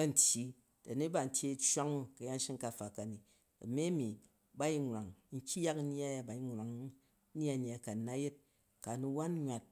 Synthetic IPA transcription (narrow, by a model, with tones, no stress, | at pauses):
ɐ˦n̩˨tʲi˦ | ta˨ne˦ba˨n̩˨˦tʲe˦t͡ʃʷa˦ŋu˦kɐ˨ja˦n˦ʃi˦ŋ˦ka˨fa˨ka˨ni˨ | ɐ̰˨me˦mi˨ | ba˦i˦ŋʷ˨a˨ŋn̩˦kʲi˦ja˦kn̩˦n˦a˦ja˨ba˨i˦ŋ˨ɾa˨ŋu˦ | a˦˨n˨a˨ka˨˦na˦je˦t̚ | ka˨nu˧wa˦n˦ɲʷwa˨t̚